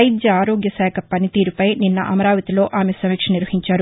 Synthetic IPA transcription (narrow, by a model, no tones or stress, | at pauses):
jd͡ʒ̪jɐaːɾoːɡjɐsɛːkʰɐpɐnit̪iːɾupɐjninːɐ̰ʔɐmɐɾaːʋɐt̪ilo̞ːʔaːmesɐmikʂɐniɾʋɐɦiɲt͡ʃaːɾu